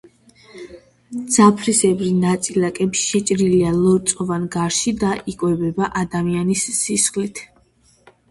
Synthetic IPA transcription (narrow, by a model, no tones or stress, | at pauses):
d̪z̥apʰɾisɛbɾinat̪sʼilakʼɛbʃʃɛt͡ʃʼɾilialˠɔɾt̪sʼɔvanɡaɾʃid̪aʔikʼwɛbɛbaʔad̪amianisːisχlit̪ʰ